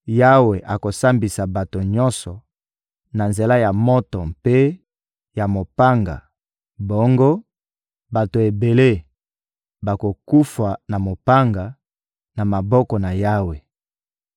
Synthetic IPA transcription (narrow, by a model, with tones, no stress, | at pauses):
ja˦we˨ʔa˨ko˨sa˦mbi˨sa˨ba˨to˨ɲɔ˦nsɔ˨ | na˨nze˨la˦ja˨mɔ˦tɔ˨mpe˦ | ja˨mo˨pa˦ŋɡa̰˨ | bo˦ŋɡo˦ | ba˨to˨e˨be˨le˦ | ba˨ko˨ku˦fa˨na˨mo˨pa˦ŋɡa˨ | na˨ma˨bɔ˦kɔ˨na˨ja˦we˨